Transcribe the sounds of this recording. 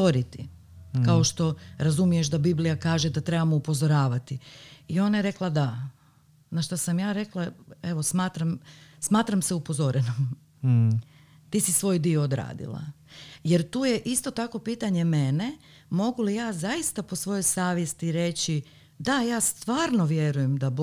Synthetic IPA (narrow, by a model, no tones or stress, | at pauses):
o̞ɾit̪i | kao̞ʃt̪o̞ɾazumije̞ʃ̬d̪abiblijakaːʒed̪at̪ɾebamoupo̞zo̞ɾaːʋat̪iio̞najeɾe̞klˠad̪a | naʃt̪asamjaːɾe̞klˠae̞ʋo̞smaːt̪ɾamsmaːt̪ɾamseupozo̞ɾenom | t̪iːsisʋo̞ːjd̪io̞ːd̪ɾa̰ːd̪ḭlˠa̰ | jeɾt̪uːje̞ʔist̪o̞t̪ako̞piːt̪aɲe̞me̞ne̞ | mo̞ɡulijaːzajist̪apo̞sʋo̞jojsaːʋjest̪iɾe̞t͡ɕi | d̪ajaːst̪ʋaːɾno̞ʋje̞ɾujemd̪ab